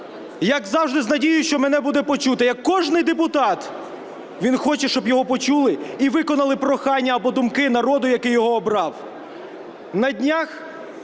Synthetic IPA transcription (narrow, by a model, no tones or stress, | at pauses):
jɐɡzɑwʒd̪ɪznɐdʲijʊʃt͡ʃɔmɛnɛbud̪ɛpɔt͡ʃut̪ɐjɐkːɔʒnɪjd̪epʊt̪ɑt̪ | ʋʲinxɔt͡ʃɛʃt͡ʃɔbjɔɦɔpɔt͡ʃulˠɪiʋɪkɔnɐlˠɪpɾɔxɑnʲːɐːɐbɔd̪ʊmkɪnɐɾɔd̪ʊjɐkɪjːɔɦɔːbɾɑw | nɐdʲnʲax